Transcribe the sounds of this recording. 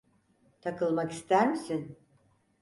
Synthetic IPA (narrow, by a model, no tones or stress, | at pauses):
t̪ʰakɯlˠmaki̥st̪ʰæɾmisin